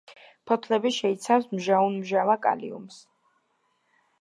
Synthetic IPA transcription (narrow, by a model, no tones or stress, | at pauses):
pʰɔt̪ʰlɛbiʃɛit̪sʰafsmʒaunmʒavakʼa̰lḭṵms